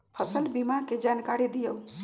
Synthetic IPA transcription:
pʰəsəlbimaked͡ʒankaɾid̪ijəw

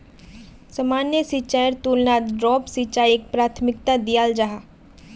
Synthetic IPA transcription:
sɐmaːnjəsit͡ʃaːəɾt̪uːlnaɖɾɔːpsit͡ʃaːjek̚pɾaːt̪ʰmɪk̚t̪ad̪ijaːld͡ʒaɦa

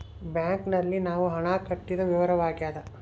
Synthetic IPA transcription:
bjaːŋknɐlːinaːʋuɦɐɳaːkɐʈːid̪ɐʋiʋɐɾɐʋaːɡjaːd̪ɐ

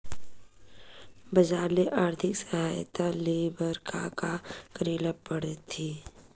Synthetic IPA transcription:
bəd͡ʒaːɾleʔaːɾt̪ʰɪksəɦaːjt̪aleːbəɾkakakɾeːləppəɽt̪ʰiː

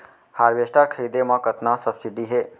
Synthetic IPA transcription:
haːɾʋeːsʈaːɾkʰəjd̪emãkət̪nasəbsɪɖiɦeː

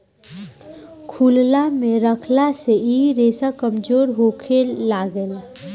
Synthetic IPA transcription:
kʰullamẽɾəkʰlaseiːɾeːsakəmd͡ʒoːɾɦoːkʰelaːɡəl

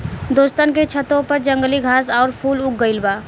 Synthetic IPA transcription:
d̪oːst̪ənket͡ʃʰət̪õpɐɾd͡ʒɐ̃ŋɡliɡʱaːsɔːɾpʰuːlʊk̚ɡəɪlbaː

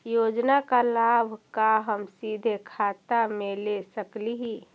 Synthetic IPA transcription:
joːd͡ʒnakalaːbʱkaɦəmsid̪ʱekʰaːt̪amelesəkliɦi

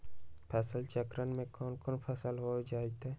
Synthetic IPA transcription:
pʰəsəlt͡ʃəkɾənmẽkɔːnkoːnpʰəsəlɦod͡ʒaːet̪e

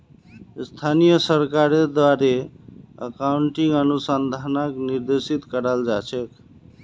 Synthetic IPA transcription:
st̪ʰanijəsəɾkaɾed̪waɾeə̰kawuɳʈiŋənusənd̪ʱanəkniɾd̪esit̪kəɾald͡ʒat͡ʃʰek

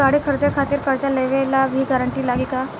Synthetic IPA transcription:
aɽiːkʰəɾt̪eɾkʰat̪iːɾkəɾt͡ɕaleʋelaʋiːɡaɾəɳʈiːlaɡiːka

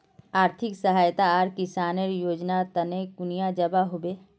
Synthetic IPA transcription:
aːɾt̪ʰɪksəɦaːjt̪aaɾkɪsaːneɾjoːd͡ʒnat̪ənekʊnijad͡ʒəbaɦobeː

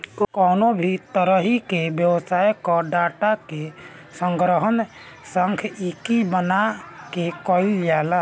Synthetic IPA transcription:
kɔːnobʱit̪əɾəɦikebjəwsajkɔɖaːʈake | sə̃ŋɡɾəɦən | səŋkʰikibənakekɔiljala

